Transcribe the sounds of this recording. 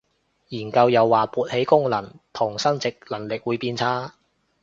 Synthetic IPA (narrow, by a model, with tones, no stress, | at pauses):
jiː˨˩nkɐ˧wjɐ˨˧wːaː˨puː˨t̚he˨˥jkʊ˥ŋlɐ˨˩ŋt̪ʰʊ˨˩ŋsɐ˥ŋt͡sɪ˨k̚lɐ˨˩ŋlɪ˨k̚wuː˨˧jpiː˧nt͡sʰaː˥